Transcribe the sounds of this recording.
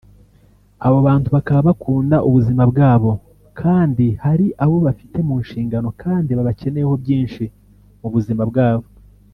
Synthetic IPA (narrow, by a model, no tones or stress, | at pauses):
aβoβaːntuβakaβaβakʰuːndaʔuβuzimabɡaːβo̞ | kʰaːndihaɾiʔaβo̞βafi̥te̞muːnʃiːŋɡano̞kʰaːndiβaβace̞nejeho̞bɟiːnʃi | muβuzimabɡaːβo̞